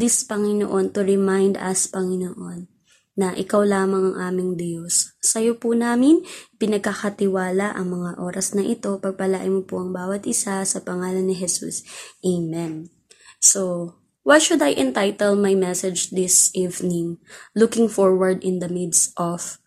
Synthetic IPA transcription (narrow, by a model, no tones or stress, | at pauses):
d̪ɪspɐŋɪno̰ʔo̞nt̪ʊɹɛmajnd̪ɐ̰spɐŋɪnoʔonː | ɐʔɪkawlaːmɐŋɐŋʔaːmɪŋd̪josːɐjopʊnaːmɪnpɪnɐɡ̚kaxɐt̪ɪwaːlɐʔɐ̰ŋmɐŋaʔo̞ːɾɐsnɐʔɪt̪o̞pɐɡ̚pɐlaʔɪmopoʔɐŋbaːwɐt̪ʔɪsasɐpɐŋaːlɐnːɪɦɛsṵsʔejmɛn | so | wajʃʊd̪ɐjʔɛ̃nt̪ajt̪ɛlmajmɛsɛd͡ʒd̪ɪsʔivnɪŋlukɪŋfoɹwɐɹd̪ɪnd̪ɐmɪd̪sʔɔf